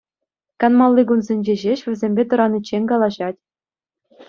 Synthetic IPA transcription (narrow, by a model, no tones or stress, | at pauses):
kɑnmɑlˠːiɡunzʲenʲd͡ʑeʑeɕʋʲɘ̆zʲemʲbʲet̪ɤ̆ɾɑnit͡ɕːenʲkɑlˠɑʑɑtʲ